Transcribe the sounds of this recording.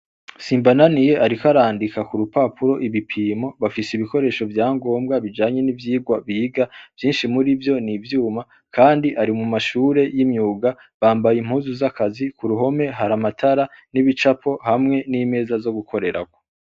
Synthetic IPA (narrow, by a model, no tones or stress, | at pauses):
siːmbananije̞ʔaɾikaɾaːndikakuɾupapʰuɾo̞ʔiβipʰiːmo̞βafiseiβiko̞ɾe̞ːʃo̞vjaːŋɡo̞ːmbɡaβid͡ʒaːɲe̞nivjiːɡwaβiɡav̥jiːnʃimuɾivjo̞nivjuːma | kʰaːndiʔaɾimumaʃuːɾe̞jimɲuːɡa | βaːmbajim̥huːnzuzakazikuɾuɦo̞me̞ɦaɾamatʰaɾaniβit͡ʃapʰo̞hamŋe̞nime̞ːzazo̞ɡukʰo̞ɾe̞ɾa̰ɡo̥